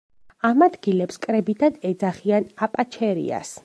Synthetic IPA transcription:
amad̪ɡilɛpskʼɾɛbid̪ad̪ɛd̪zaχianapʼat͡ʃʰɛɾḭa̰s

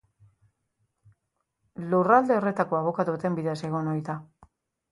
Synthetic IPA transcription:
lurald̪e̞o̞re̞t̪ako̞aβo̞kat̪uat̪e̞mbiðease̞ɣ̞o̞nojt̪a

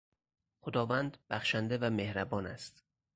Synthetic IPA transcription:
xod̪ɒːvænd̪bæxʃænd̪evæmehɾæbɒːnæst̪

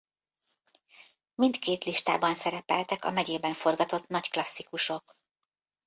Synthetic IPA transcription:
mint̪keːt̪liʃt̪a̰ːbɒnsɛɾɛpɛlt̪ɛkɒ̰mɛɟeːbɛɱfo̞rɡɒt̪o̞t̪nɒcklɒsːikuʃo̞k

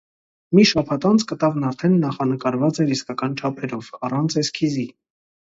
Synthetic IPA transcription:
miʃɑpʰɑt̪ɑnt͡sʰkət̪ɑvnɑɾt̪ʰɛnːɑχɑnəkɑɾvɑt͡sɛɾiskɑkɑnt͡ʃʰɑpʰɛɾɔvɑrɑnt͡sʰɛskʰizi

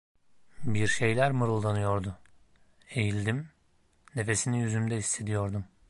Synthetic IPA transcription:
biɾʃe̞jlʲæɾmɯɾɯlˠd̪anɯjo̞ɾd̪u | e̞jilʲd̪im | ne̞fe̞sinijyzymd̪ɛisːe̞d̪ijo̞ɾd̪um

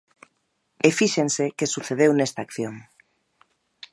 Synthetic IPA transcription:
efiʃensekesuθeð̞ewnest̪aːkθjoŋ

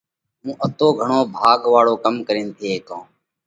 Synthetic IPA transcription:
ɦũːʔət̪oːɡʱəɳoːbʱaːɡʋaːɭoːkəmkəɾĩːnt̪ʰeːeːkõː

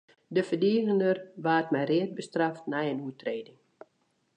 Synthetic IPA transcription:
dəfədiːɣəndərʋaːtmɛjrɪət̚bəstraftnɛjənuətreːdɪŋ

